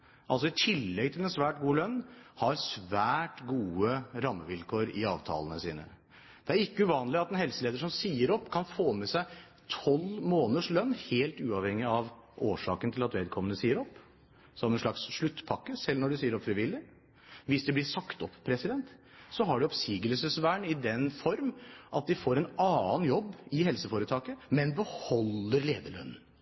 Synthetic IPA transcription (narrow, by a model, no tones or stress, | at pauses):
ʔɑls̬ɔɪt̪ʰɪlːɛɡ̚t̪ʰɪlɛnsʋæːʈɡuːəlœnːhɑɾsʋæːʈɡuːəɾɑmːəʋɪlkʰoːɾɪɑːʋt̪ʰɑ̰ːlənəsiːnə̰ | d̪̥ɛæɾɪkːəʉʋɑːnlɪɑt̪ɛnhɛlsəleːd̪əʂɔmsiːəɾɔpːkʰɑnfoːmɛsæɪ | t̪ʰɔlmoːnəʂlœnːheːlt̪ʉːɑʋhɛŋːɪɑʋʔoːʂɑ̰ːkənt̪ʰɪlɑt̪ʋeːd̪̚kʰɔmːənəsiːəɾɔpː | sɔmɛnʂɭɑksʂɭʉt̪ːpʰɑkːəsɛlnɔɖɛsiːəɾɔpfɾɪʋɪlːɪ | ʋɪsd̪ɛblɪsɑkt̪ɔpːpʰːɾɛsɪd̪ɛnt̪ | sɔɦɑɖɛɔpsiːɡəlsəsʋæːɳɪd̪ɛnfɔɾmʔɑt̪̚d̪ɪfoːɾɛnɑːnjɔbːɪhɛlsəfoːɾət̪ʰɑːkəmɛnbəhɔlːəɾleːd̪əɭœ̰nːn̩